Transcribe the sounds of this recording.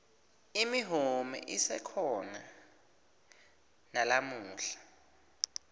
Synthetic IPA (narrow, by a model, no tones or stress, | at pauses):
imiɦumɛ̰ʔisɛkʰɔna | nalamuːɬḁ